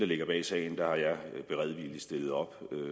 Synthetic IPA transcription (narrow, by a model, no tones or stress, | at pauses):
d̥ɑle̝ɡ̥ɐb̥ɛ̰ːsɛ̰ɪn̩d̥ɑ̈hɑ̈jɑ̈ɪb̥e̝ʁɛð̞ˠʋilisd̥e̝lð̞̩ˠɒ̽b̥